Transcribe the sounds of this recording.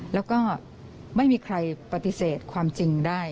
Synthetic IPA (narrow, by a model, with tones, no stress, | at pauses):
lɛː˦˥wkɔː˥˩ | ma˥˩jmiː˧kʰɾa˧jpa˧t̪i˧˩seː˨˩t̪̚kʰwaː˧mt͡ɕi˧ŋdaː˥˩j